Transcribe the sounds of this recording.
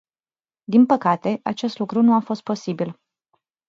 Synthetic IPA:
d̪inpəkat̪e̞ʔa̰t͡ʃe̞st̪lukɾunuafo̞st̪̚po̞sibil

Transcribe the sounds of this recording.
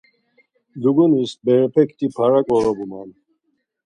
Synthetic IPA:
d̪uɡunisbɛɾɛpʰɛkʰt̪ʰipʰaɾakʼɔɾɔbuman

